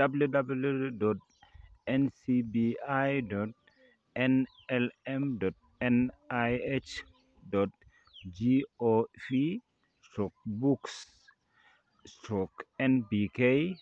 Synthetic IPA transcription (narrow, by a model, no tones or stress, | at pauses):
dabljudabludɔt̚ | ɛnsibiajdɔt̚ | ɛn | ɛlɛmdɔt̚ɛnajet͡ʃ | dɔt̚ | d͡ʒiofi | stɾɔk̚buks | stɾɔkɛnbikej